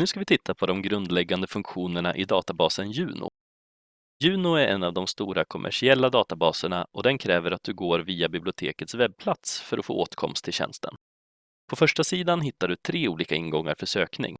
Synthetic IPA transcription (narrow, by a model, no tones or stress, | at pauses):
nʉ̟ːskavɪt̪ʰɪt̪ʰːapʰɔd̪ɔmɡɾɵnd̪lɛɡːand̪əfɵŋkɧuːnəɳa̰ʔɪd̪ɑ̰ːt̪abɑːsənjʉ̟ːnʊ̰ | jʉ̟ːnʊæɾɛ̰nːavd̪ɔmst̪uːɾakʰɔmʔæ̰ʂɪɛlːad̪ɑːt̪abɑːsəɳaʔɔd̪ɛnkʰɾɛːvəɾat̪̚d̪ɵɡoːɾviːabɪblɪʊt̪ʰḛːkət̪svɛb̚pʰlat̪sfœɾɔfo̰ːʔoːt̪kʰɔ̰mst̪ʰːɪlɕɛ̰nst̪ʰə̰n | pʰɔfœʂʈasiːd̪anɦɪt̪ːaɖɵt̪ʰɾeːuːliːkaɪnɡɔŋːa̰ɾfœʂøːknɪ̰ŋ